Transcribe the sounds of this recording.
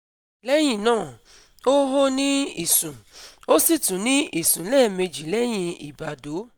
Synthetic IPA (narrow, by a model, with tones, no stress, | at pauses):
lɛ˦j̃ĩ˦˨nãː˦˨ | o˦ɦo˦nĩ˦i˨sũ˨o˦si˦˨tũ˨˦nĩ˦i˦˨sũ˨lɛː˦˨me˧d͡ʒi˨lɛ˦j̃ĩ˧i˨ba˨do˨˦